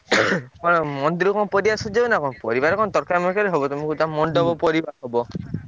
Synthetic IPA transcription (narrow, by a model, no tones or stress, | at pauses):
kɔɽ̃ɔmɔnd̪iɾukɔ̃pɔɾiasud͡ʒeunakɔɽ̃ɔpɔɾibaɾɔkɔɽ̃ɔt̪ɔɾkʰamɔkaɾeɦɔbɔt̪umɔŋkut̪amɔɳɖɔbɔpɔɾibaɾɦɔbɔ